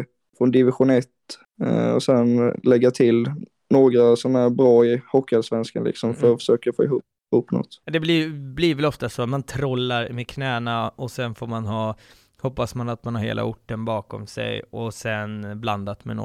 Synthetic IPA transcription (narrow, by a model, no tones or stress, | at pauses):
fɾɔnd̪ɪvɪɧʊnɛt̪ː | ɔ̰sɛnlɛɡːat̪ʰɪl | noːɡɾasɔmæɾbɾɑːɪhɔkːalsvɛnskanlɪ̰ksɔmfœɾɔfə̥ʂøːkafo̰ːɛhuːp | huːpːnɔ̰t̪ːd̪ɛblɪbliɾvɛlɔft̪asoːmant̪ʰɾɔlːaɾmɛkʰnɛːnaɔsɛnfoːɾmanɦɑː | hɔpːasmanat̪̚manhaɾhḛːla̰ʊʈːənbɑːkɔmsɛ̰jɔsɛnbland̪at̪mɛ̰nɔ̰